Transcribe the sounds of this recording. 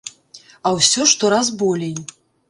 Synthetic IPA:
ɐwsʲɔʂt̪ɔɾazbɔlʲej

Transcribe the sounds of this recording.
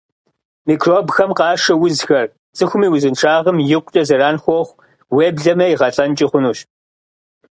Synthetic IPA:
miːkʰroːbxɐmqɑːʂɐwʊzxɐr | t͡sʼɨxʷʊmiːwʊzɨnʈ͡ʂʰaːʁɐmjɪqʷʊt͡ʃʼɐzɐɾaːnxʷɔχʷ | weːbɮɐmɐjiʁɐɬʼɐnt͡ʃʼɪχʷʊnuːɕ

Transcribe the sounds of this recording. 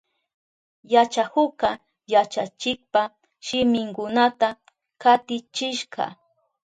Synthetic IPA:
jat͡ʃahʊka | jat͡ʃat͡ʃɪk̚pa | ʃɪmɪŋkʊnat̪a | kat̪ɪt͡ʃɪʃɢɑ̰

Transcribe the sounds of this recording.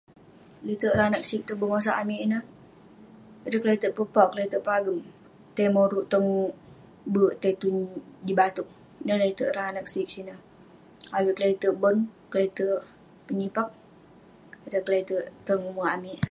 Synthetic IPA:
lit̪əʔɾanak̚sik̚t̪ubəŋos̬aʔamiʔinəh | ədəklait̪əʔpəpaʔklait̪əʔpaɡəm | t̪emoɾuʔt̪əŋ | bəʔt̪et̪undibat̪uʔ̚ | inələit̪əʔɾanak̚sik̚sinəh | awiʔkəlait̪əʔbɔnkəleit̪əʔ | pəɲipak̚ | ədəkəlait̪əʔt̪əŋumaamiʔ

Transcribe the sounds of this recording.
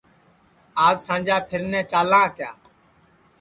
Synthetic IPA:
aːzsãːnd͡ʒaːpʰɪɾnɛ̃ːt͡ʃaːlãːkja̰ː

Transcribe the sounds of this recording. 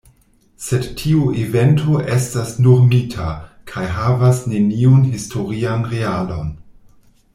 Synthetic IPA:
se̞dtʰiuʔive̞ntʰoʔestasnuɾmitʰakʰajɦavasne̞niunɦistʰo̞ɾianɾealo̞n

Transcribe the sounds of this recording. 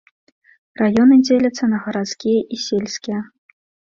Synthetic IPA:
rajonɘ̆nʲdʲelʲɘ̆t͡sɑ̆nɑʁɤ̆ɾɑskʲiʔisʲelʲsʲkʲe

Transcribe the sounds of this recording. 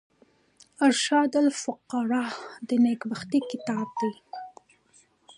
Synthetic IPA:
aɾʃɑd̪alfʊqːɑɾɑd̪ənekbaxt̪ikɪt̪ɑb̚d̪aj

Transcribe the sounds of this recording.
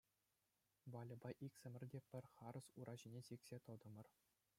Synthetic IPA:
ʋɑlʲɤ̆bɑʔikʲsʲɘ̆mʲɘ̆rʲdʲepʲɘ̆rʲχɑɾɤ̆suɾʔɑʑinʲesikʲsʲet̪ɤ̆d̪ɤ̆mɤ̆r

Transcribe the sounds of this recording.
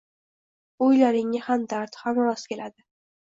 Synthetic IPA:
ojlaɾɪŋɪhamd̪aɾt̪hamɒwaskʲe̞lad̪ɪ

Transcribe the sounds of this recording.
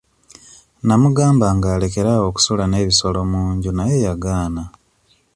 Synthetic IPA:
namuɡaːmbaŋɡaːle̞ke̞ɾao̞ku̥sulane̞ːβiso̞lo̞muːɲɟunaje̞jaɡaːna

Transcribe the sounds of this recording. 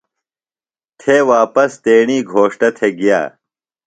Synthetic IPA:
t̪ʰewaːpɐst̪eːɳiːɡʱoːʂʈɐt̪ʰeɡija̰ː

